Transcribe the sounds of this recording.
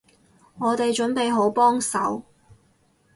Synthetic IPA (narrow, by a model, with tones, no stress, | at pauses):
ŋɔː˨˧t̪e˨jt͡ʃɵ˨˥npe˨jɦo˨˥wpɔː˥ŋsɐ˨˥w